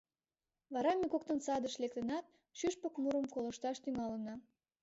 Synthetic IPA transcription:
βɑɾɑmekok̚t̪ənsɑd̪əʃlek̚t̪ə̆nɑt̪̚ | ʃyʃpəkmuɾəmkolə̆ʃt̪ɑʃt̪yŋɑlənɑ

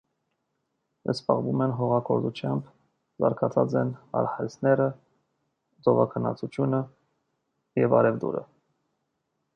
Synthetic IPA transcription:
jəspɑʁvumɛnɦɔʁɑkʰɔɾzut͡ʃʰjɑmb | zɑ̰ɾkʰɑt͡sʰɑt͡sɛnɑ̰ɾhɑɾisnɛɾə | d͡zɔvɑkʰənɑ̰t͡sʰut͡ʃʰjunə | jɛvɑ̰ɾɛvd̪ṵɾə̰

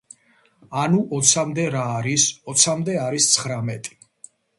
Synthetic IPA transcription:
anuʔɔt̪sʰamd̪ɛɾaːɾisɔt̪sʰamd̪ɛaɾist̪sʰχɾamɛt̪ʼi̥

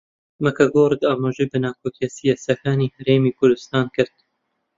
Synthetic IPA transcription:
makʰaɡoɾd̪aːmaʒejbɨnaːkʰokiasijasɐkaːniːhɐɾeːmiːkʰʊɾd̪ʊst̪ɑːnkɨɾd̪̥

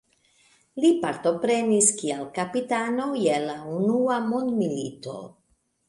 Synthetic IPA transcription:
lipaɾto̞pɾe̞niskialkapitano̞jelaunuamond̪milḭto̞̰

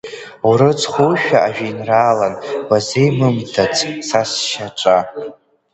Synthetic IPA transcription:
uɾɨt͡sχʷowʃᶣaaʒᶣainraːlanwazejmɨmtʰat͡sʰʼsasʃaʈ͡ʂʷʼa

